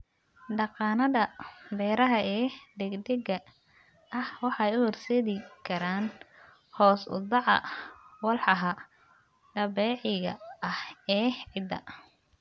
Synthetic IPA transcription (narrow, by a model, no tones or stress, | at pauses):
ɖɑqɑːnɐðɐbɛːɾɐɦɐɛːd̪ɛɡd̪ɛɡɐ | ɐhwɑħɑjʊhɔrsɛðɪkʰɐɾaːn | hɔːsʊ̰d̪ɑʕɐ̰wɑlħɑɦɐ | ɖɐbɛːʕɪɣɐ̰ɐhɛːʕɪd̪ɐ̰